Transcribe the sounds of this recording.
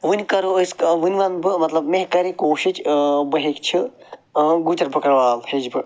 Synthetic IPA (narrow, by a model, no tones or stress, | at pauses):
ʋɨnʲkɐɾoskʋɨnʲʋambɨmɐt̪lɐbmeɦkɐɾĩkoːʃit͡ʃbɐɦekt͡ʃʰi | ɡut̪ʲɐɾbɨkɐɾʋaːlheːd͡ʒbɨ